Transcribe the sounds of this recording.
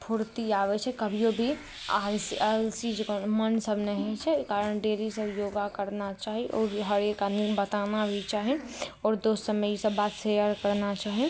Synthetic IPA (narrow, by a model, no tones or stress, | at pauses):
pʰʊɾt̪iaːʋet͡ʃʰɛkɐbʱiobʱi | asialsid͡ʒkomənsəbnəɦĩt͡ʃʰɛkaːɾənɖeːɾisəbjoːɡakəɾnat͡ʃaːɦeʔɔːɾɦəɾekanibɐt̪aːnabʱit͡ʃaːɦẽ | ɔːɾd̪oːsəməisəbːaːt̪sejəɾkəɾnat͡ʃaːɦẽ